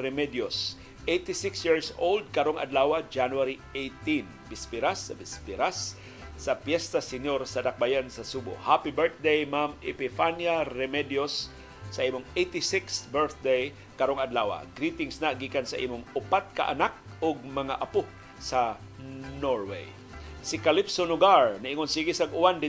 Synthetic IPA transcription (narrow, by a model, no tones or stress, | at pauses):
ɾɛmɛd̪jos | ʔejt̪ɪsɪksjiɹsold̪̚kɐɾoŋɐ̰d̪laːwad͡ʒanuaɾiʔejt̪in | bɪspɪɾasːɐbɪspɪɾasː | ɐpjɛst̪asɪɲjoɾsɐd̪ɐk̚bajansɐsuːbʊ̰ʔhapibɛɹθ̚d̪ejmamɪ̰pɪfanjaɾɛmɛd̪josː | ɐʔiːmʊŋejt̪isɪksbɛɹθd̪ej | kaɾoŋad̪laːwa̰ɡɾit̪ɪŋsnaɡiːkansaʔḭːmʊŋʊpat̪̚ka̰ʔa̰nak̚ | ʊɡ̚mɐŋaʔapʊ | sa | noɹwḛj | sɪkalipsonʊɡaɹnaʔiŋonsiɡisaɡʊwand̪ɪ